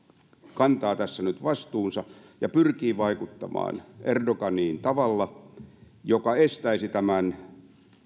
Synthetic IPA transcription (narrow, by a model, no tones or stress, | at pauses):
kɑnt̪ɑːt̪æsːænyt̪ʋɑst̪uːnsɑ | jɑpyrkiːʋɑikut̪ːɑmɑ̰ːnerdoɡɑniːnt̪ɑʋɑlːɑ | jokɑest̪æisit̪æmæn